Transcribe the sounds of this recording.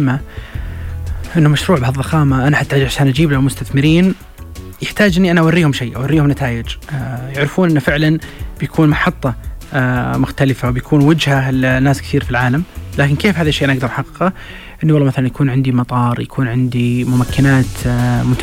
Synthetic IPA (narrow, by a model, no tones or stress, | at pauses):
mːa | ʔɪnːʊmaʃɾuːʕbɪhɑðˤːɑxɑːmaʔanaħat̪ːaʔad͡ʒʕaʃaːnʔad͡ʒiːblahmʊst̪aθmɪɾiːn | jɪħt̪aːd͡ʒʔɪnːiʔanaʔawarːiːhʊmʃijːʔa̰warːiːhʊmnat̪ʰaːjɪd͡ʒjaʕɾɪfuːnʔɪnːfɪʕlanb̥jakʰuːnmɑħɑt̪ˤːɑ | mʊxt̪alɪfawbjakʰuːnwad͡ʒhaɪlnːaːskθiːɾfilʕaːlamlaːkɪnkeːfhaːðaʃejʔanaʔaɡ̚d̪ɑɾˤħɑqːɪqɑ | ʔɪnːiwlːmaθalanjakuːnʕɪnd̪imɑt̪ˤɑːɾˤjakʰuːnʕɪnd̪imʊmakʰːɪnaːt̪mʊt̪